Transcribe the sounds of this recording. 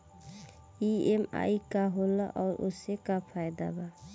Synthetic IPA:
iema̰jkaɦolaʔɔʊɾo̰sekapʰajd̪a̰ba

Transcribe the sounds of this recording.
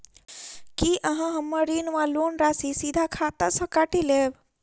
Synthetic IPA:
kiʔəɦãɦə̃mːəɾinʋalonɾasisid̪ʱakʰat̪asəkaʈileːb

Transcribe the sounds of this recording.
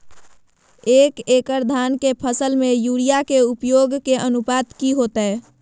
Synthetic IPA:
ekekəɾd̪ʱankepʰəsəlmejuɽijakeupjoɡkeʔənupad̪kiɦot̪əe

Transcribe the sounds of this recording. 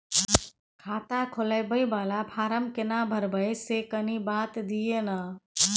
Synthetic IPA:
kʰaːt̪akʰoləbəjbalapʰaɾəmkenabʱəɾbəjsekənibat̪d̪ijena

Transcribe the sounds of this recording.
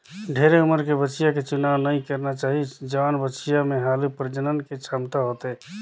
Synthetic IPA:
ɖʱeɾeuməɾkebət͡ʃijaket͡ʃunawnəjkəɾnat͡ʃaɦid͡ʒəʋaːnbət͡ʃʰijameɦalupəɾd͡ʒənənket͡ʃʰamt̪aɦot̪ɛ

